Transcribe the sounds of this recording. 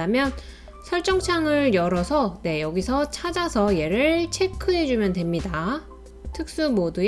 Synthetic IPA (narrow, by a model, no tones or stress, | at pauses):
amjʌn | sʰʌɭt͡ɕ͈ʌŋt͡ɕʰaŋɯɭjʌɾʌsʰʌne̞jʌɡisʰʌt͡ɕʰad͡ʑasʰʌje̞ɾɯɭt͡ɕʰe̞kʰɯɦe̞d͡ʑumjʌndwe̞mɲida | tʰɯk̚s͈umodu